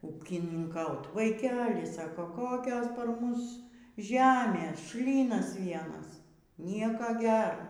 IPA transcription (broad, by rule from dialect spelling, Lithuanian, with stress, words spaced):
uːkʲɪnʲɪŋˈkɐʊt ʋɐɪˈkʲæːlʲɪ ˈsɑːkoː ˈkoːkʲoːs pɐr ˈmʊs ˈʒʲæːmʲeːs ˈʃʲlʲiːnɐs ˈʋʲiɛnɐs ˈnʲiɛkɐ ˈɡʲɛr